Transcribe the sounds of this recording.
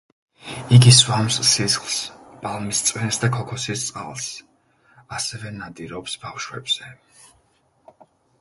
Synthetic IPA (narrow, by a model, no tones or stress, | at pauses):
iɡiswamsːisχlˠspʼalˠmist̪sʼwɛnsd̪akʰɔkʰɔsist̪sʼqʼa̰lˠs | asɛvɛnad̪iɾɔpsb̥afʃwɛbz̥ɛ